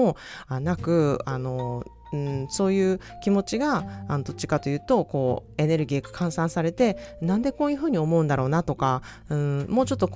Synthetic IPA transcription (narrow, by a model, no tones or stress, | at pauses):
oanakɯ̟ano̞ | ɯ̟̃so̞ːjɯ̟ː | kʲimo̞t͡ɕiɡaːnod̪o̞t͡ɕi̥kat̪o̞jɯ̟ːt̪o̞ko̞ːe̞ne̞ɾɯ̟ɡʲikɯ̥kʰãɰ̃sãɰ̃saɾe̞t̪e̞nãnd̪e̞ko̞ːjɯ̟ɸɯ̟ːɲ̟io̞mo̞ɯ̟̃nd̪aɾo̞ːnat̪o̞ka | ɯ̟̃ɴmo̞ːt͡ɕo̞t̪ːo̞k